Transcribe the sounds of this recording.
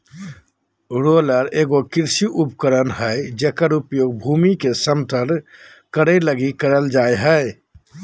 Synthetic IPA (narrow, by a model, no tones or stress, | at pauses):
ɾoːləɾeːɡokɪɾsiʔʊpkəɾənɦɛd͡ʒekəɾʊpjoːɡ̚bʱuːmikesəmt̪əɾ | kəɽeləɡikəɾəld͡ʒaːeɦɛ